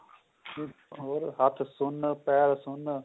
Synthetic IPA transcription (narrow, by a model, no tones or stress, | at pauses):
oɾɦɐt̪ʰsʊnpɛːɾsʊn